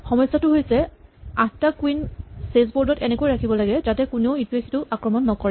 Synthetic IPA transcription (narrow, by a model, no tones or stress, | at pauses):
xɔmɔjsːatʊɦojsɛaktakwinsezboɹdɔtɛnekojɹakʰibɔlaɡɛzatɛkuneʊituesʰi̥tʊʔakɹɔmɔnːɔkɔɹɛ